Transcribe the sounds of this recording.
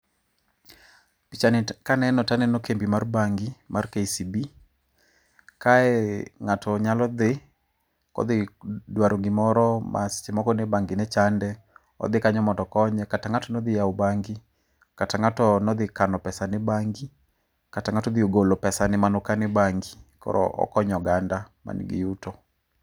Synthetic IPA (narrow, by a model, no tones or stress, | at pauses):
pit͡ʃankanɛnɔtanɛnɔkembimarbaŋɡimarkeisibi | kaɛŋatɔɲalɔd̪ɪ | kɔ̰d̪ɪdwaɾoŋɡɪmɔɾɔmʔa̰st͡ʃɪmɔkɔnebaŋɡɪnɛt͡ʃandɛ | ɔ̰d̪ɪkaɲɔmɔdɔkɔɲɛkataŋatɔnɔd̪ɪjaubaŋɡi | kataŋatɔnɔd̪ɪkanɔpɛsanɪbaŋɡi | kataŋatɔd̪ɪoɡolopɛsanɪmanʊkanɪbaŋɡikɔ̰ɾɔ̰ʔɔ̰kɔɲɔɡanda | ma̰nḭɡɪ̰jutɔ